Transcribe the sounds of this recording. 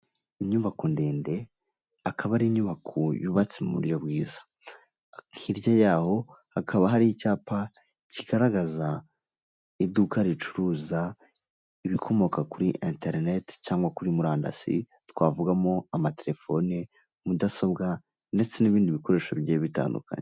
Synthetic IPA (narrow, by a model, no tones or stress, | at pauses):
iɲuβakondeːnde̞ | akʰaβaɾiɲuβakʰojuβat͡semmṵɾjo̞bɡiːzḁ | ŋhiɾjajaːho̞ | hakʰaβaɦaɾihicaːpa | ciɡ̥aɾaɡaza | idukaɾit͡ʃu̥ɾuza | iβikʰo̞mo̞kakuɾiʔinteɾnetcaːŋɡwakuɾimuɾaːnda̰sḭ | twaːvuɡamo̞amate̞ɾe̞fo̞ni | mudaso̞bɡa | nde̞t͡se̞niβiːndiβiko̞ɾe̞ːʃoβjeːβita̰ːndṵka̰ɲe